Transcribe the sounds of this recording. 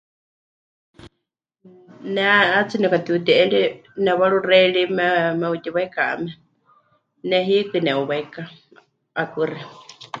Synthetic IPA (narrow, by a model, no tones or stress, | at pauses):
nɛat͡sinɛkat̪iut̪iʔɛɺinɛβaɺurɛiɺimɛmɛut̪iβaikaa̰mɛ | nɛɦikɨnɛuβaika | akɨri